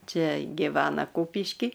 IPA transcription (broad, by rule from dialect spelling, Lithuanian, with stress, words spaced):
ˈt͡ʃʲɛ ɡʲɪˈʋʲæːnɐ ˈkuːpʲɪʃʲkʲiː